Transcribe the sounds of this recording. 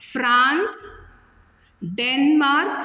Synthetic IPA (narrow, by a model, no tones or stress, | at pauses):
fɾãns | ɖenmaɾk